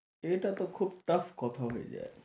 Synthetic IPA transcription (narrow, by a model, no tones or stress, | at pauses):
eʈat̪okʰub̚ʈɐfkɔt̪ʰaɦoḛd͡ʑa̰e